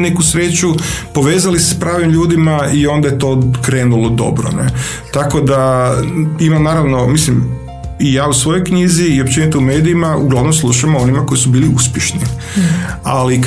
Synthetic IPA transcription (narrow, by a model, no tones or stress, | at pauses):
nekusɾeːt͡ɕupo̞ʋeːzalise̥spɾaːʋimʎuːd̪imaio̞nd̪ajet̪o̞ːkɾe̞ːnulod̪o̞̰bɾo̰ne | t̪ako̞d̪a | imamnaːɾaʋno̞mislim | ijaːusʋo̞jojkɲiziːop̚t͡ɕenit̪ume̞ːd̪iimauɡlˠaʋno̞mslˠuʃamoo̞nimako̞isubiːliuspʲjeʃni | alik